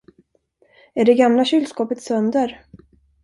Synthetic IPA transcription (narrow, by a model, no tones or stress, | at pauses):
æɖɛɡamlaɕʏlskɔːpət̪sœnd̪əɾ